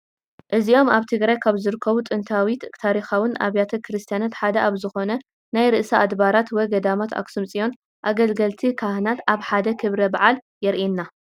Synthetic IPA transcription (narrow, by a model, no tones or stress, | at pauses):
ʔɨzio̞mʔaβt̪ʰɨɡɾajkʰaβzɨɾɨkʰːɐβut̪ʼɨnt̪ʰawit̪t̪ʰaɾixawʊnʔa̰βjat̪ʰɐkʰɨɾɨst̪ʰijanat̪ħad̪ɐʔaβzɨxo̞nɐ | najɾɨʔsaʔad̪baɾat̪wɔjɡɐd̪amat̪ʰa̰ksɨmt͡sʼijo̞n | ʔaɡɐlɡɐlt̪ʰikʰahnat̪aβħad̪ɐkʰɨβɾɐbaʕal | jɛɾʔinːa